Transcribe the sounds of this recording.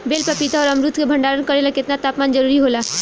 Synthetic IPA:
beːlpəpit̪aɔːɾəɐmɾut̪ʰkebʱə̃ɳɖaːɾənkəɾelakɪt̪nat̪aːpmaːnd͡ʒəɾuːɾiɦola

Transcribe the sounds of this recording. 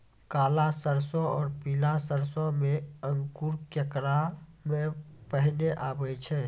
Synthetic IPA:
kaːlasəɾsɔɔːɾpilasəɾsɔ̃meəŋkuɾkəkɾamepəɦneʔaːbɛjt͡ʃʰɛː

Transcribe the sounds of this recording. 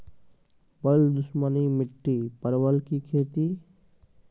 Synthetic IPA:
bəld̪ʊsmənimɪʈːipəɾwəlkikʰeːt̪i

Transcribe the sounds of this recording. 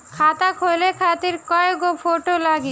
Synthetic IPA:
kʰat̪akʰojlekʰat̪iɾkɔeɡofoʈolaɡi

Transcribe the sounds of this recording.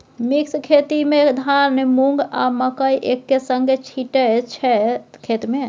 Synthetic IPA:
mikskʰet̪imed̪ʱaɾnmuŋɡa̰məkəjʔekːesəŋɡet͡ʃʰiʈət͡ʃʰɛkʰet̪me

